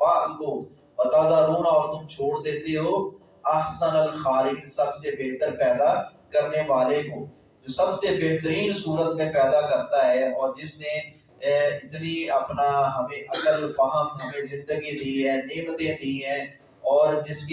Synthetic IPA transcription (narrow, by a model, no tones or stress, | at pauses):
baːkkoː | bɐt̪aːzaːɾuːnɔːɾt̪ʊmt͡ʃʰoːɽd̪ẽːd̪eɦoː | ɐɦsənəlxaːlɪksɐbsebeːɦt̪əɾpɛːd̪aːkəɾneʋaːlekoː | d͡ʒoːsɐbsebeɦt̪əɾiːnsuːɾət̪mẽpɛːd̪aːkəɾt̪aɦɛːɔːɾd͡ʒɪsnẽ | ɪt̪niəpnaɦɐmẽːʔɐkəlbəɦəmɦɐmẽzɪ̃nd̪əɡid̪iːɦɛ̃ːneːmt̪ẽd̪iɦɛ̃ː | ɔːɾd͡ʒɪsk